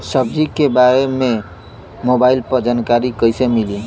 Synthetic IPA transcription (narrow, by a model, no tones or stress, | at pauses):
səb̚d͡ʒikebaɾeme | mobailpəɾd͡ʒankaɾikəjsemili